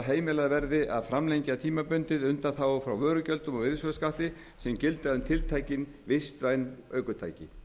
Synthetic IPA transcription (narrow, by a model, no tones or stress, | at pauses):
ɦeːjmɪlaðvɛɾðɪʔaðfɾamlejɲcat̪ʰiːmapʏnt̪ɪðʏnt̪aθawfɾawvœːɾʏcœlt̪ʏmɔvɪɾsvœskaht̪ɪ | sɛmcɪlt̪aðʏmt̪ʰɪlt̪ʰaːjcɪnvɪst̪ɾajnœːɥkʏt̪ʰa̰jcɪ